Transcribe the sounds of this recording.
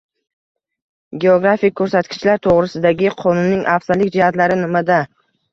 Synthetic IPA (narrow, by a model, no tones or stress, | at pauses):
ɡʲeoɡɾafikʰːɵɾsat̪kʲʰɪ̥t͡ʃlaɾt̪ʰoʁɾɪsɪd̪aɡʲɪqʰɒnʊnːɪŋʔafsaɾlɪkʲd͡ʒɪhat̪laɾɪnɪmad̪a